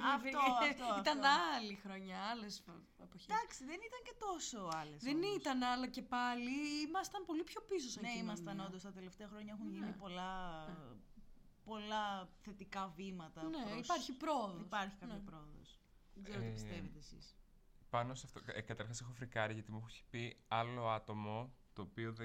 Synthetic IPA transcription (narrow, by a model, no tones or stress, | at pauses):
it̪ɐnɐlixɾo̞ɲɐɐles | epoçid̪ɐkst̪eðenit̪ɐɲcet̪o̞soɐlesðenit̪ɐnɐlɐce̞pɐliimɐst̪ɐnpo̞lipço̞pis̬osɐneimɐst̪ɐnond̪ost̪ɐt̪e̞left̪eɐxɾo̞ɲɐexunʝinipo̞lɐ | po̞lɐθe̞t̪ikɐvimɐt̪ɐneoispɐɾçipɾo̞oðiospɐɾçi̥kɐopɾooðo̰s | ɡzeot̪iisst̪evet̪eːsḭs | pɐnosɐft̪oekɐt̪ɐɾxɐsexofɾikɐɾiʝɐt̪imuxçi̥piɐlo̞ɐt̪omo̞t̪o̞ːpioðe